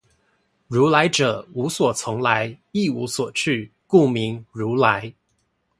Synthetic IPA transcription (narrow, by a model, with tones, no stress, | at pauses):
ɻu˧˥la˧˥ɪʈ͡ʂɤ˨˩˦u˧˥swɔ˨˩t͡sʰʊ˧˥ŋla˧˥ɪi˥˩u˧˥swɔ˨˩t͡ɕʰy˥˧ | ku˥˩mi˧˥ŋɻu˧˥la˧˥ɪ